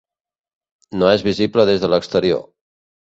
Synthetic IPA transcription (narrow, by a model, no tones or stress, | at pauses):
noɛzβizipləðezðələkst̪əɾio̰